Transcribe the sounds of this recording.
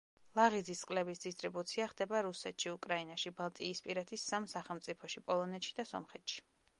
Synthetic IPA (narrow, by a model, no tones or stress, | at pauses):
lˠaʁid̪zisqʼlɛbisd̪is̬t̪ʼɾibut̪sʰiaχd̪ɛbaɾusɛt̪ʃiukʼɾainaʃibalˠt̪ʼiːspʼiɾɛt̪ʰisːamsaχɛlˠmt̪sʼipʰɔʃipʼɔlˠɔnɛt̪ʃi̥d̪asɔ̰mχɛt̪ʃi̥